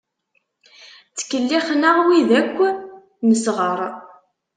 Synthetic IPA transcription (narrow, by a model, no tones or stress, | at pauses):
t͡sːə̥kːəlːiχnaʁwiðækʷː | nəsʁəɾˤ